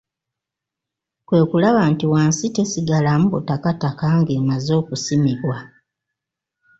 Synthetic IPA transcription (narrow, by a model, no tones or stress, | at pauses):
kwe̞ːkulaβantiwaːnsitesiɡalamuβutakatakaːŋɡemazo̞ːkusimiβwa